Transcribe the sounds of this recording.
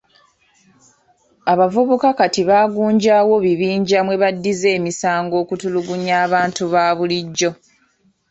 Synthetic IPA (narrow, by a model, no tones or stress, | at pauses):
aβavuβukakatiβaːɡuːɲɟaːwo̞βiβiːɲɟamwe̞βadːize̞ːmisaːŋɡo̞ːkutuluɡuɲaːβaːntuβaːβuliɟːo̞